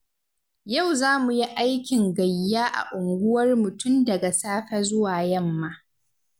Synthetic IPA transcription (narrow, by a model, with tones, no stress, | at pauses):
ja˦˨wzaː˦mu˨ji˦ʔa˦jkʲɪ˨ŋɡɐ˨jːaː˦ʔa̰˨ʔʊ˨ŋɡʷʊ˦wɐ˦rmʊ˨tʰʊ˦mdɐ˨ɡa˨saː˦ɸɐ˦zʊ˦waː˨jɐ˦˨mːaː˦